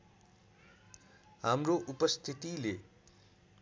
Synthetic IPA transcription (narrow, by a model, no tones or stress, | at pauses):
ɦamroʔupʌst̪ʰit̪ile